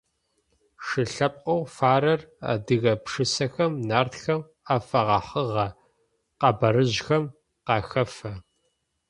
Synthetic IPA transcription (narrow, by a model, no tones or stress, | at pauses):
ʂɨɬɐpʼqɔwfaːɾɐra̰dɨɣɐpʂɨsɐxɐmnaːrtxɐm | aːfɐʁɐħəʁɐ | qɑbɐɾɨʑxɐm | qɑːxɐfɐ